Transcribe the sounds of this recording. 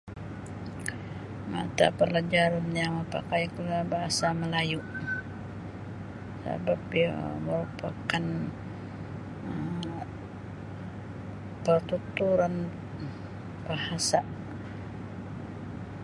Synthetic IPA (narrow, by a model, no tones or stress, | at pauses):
ma̰t̪a̰pəlad͡ʒaɾanjaməpa̰kajkulabaɦasaməlajuʔ | sa̰bap̚jaməɾupakan | ə | pərt̪ut̪uɾan | b̥ahasa